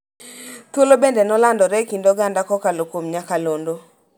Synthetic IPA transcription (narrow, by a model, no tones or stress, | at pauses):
t̪wolobendenɔlandɔɾɛkindoɡandakɔkalokomɲakalondo